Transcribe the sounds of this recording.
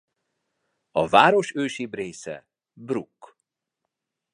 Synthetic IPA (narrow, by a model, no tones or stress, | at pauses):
ɒ̰vaːɾo̞ʃøːʃiːbreːsɛ̰ | brukː